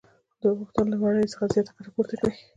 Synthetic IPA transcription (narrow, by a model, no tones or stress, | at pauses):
d̪əɣuxt̪ʊnolanaɽəjt͡səxazjɑt̪akaɾɑpoɾt̪akɽi